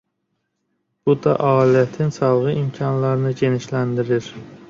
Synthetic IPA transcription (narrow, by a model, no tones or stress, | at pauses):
b̥ʊd̪aʔɒlijat̪ʰɪnsɑlˠʁɨʔimkʲʰɒnlaɾnɪd͡ʒe̞nɪʃlænd̪ɪɾɪɾ